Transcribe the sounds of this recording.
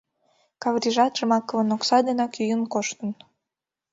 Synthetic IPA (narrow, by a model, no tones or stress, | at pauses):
kɑvrʲiʒɑt̪ʃəmɑkəβə̆noksɑd̪enɑkyjənkoʃt̪ə̆n